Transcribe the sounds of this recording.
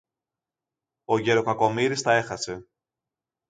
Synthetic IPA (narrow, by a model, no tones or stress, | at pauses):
o̞ʝe̞ɾo̞kɐko̞miɾist̪ɐe̞xɐse̞